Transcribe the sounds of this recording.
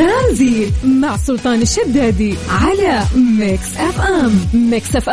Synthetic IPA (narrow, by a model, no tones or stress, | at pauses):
amziːd̪maʕsˤʊlt̪ˤɑːnɪʃːad̪ːaːd̪iʕalamɪksʔafʔammɪksʔafʔ